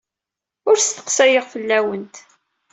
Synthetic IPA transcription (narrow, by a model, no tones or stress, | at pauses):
ʊɾst̪ə̥qsæjəʁfəlːæwənt̪